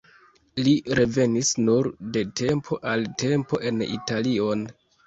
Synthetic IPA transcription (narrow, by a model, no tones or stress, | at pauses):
liɾe̞ve̞nisnuɾde̞tʰe̞mpʰo̞ʔalte̞mpo̞ʔe̞nḭtalio̞n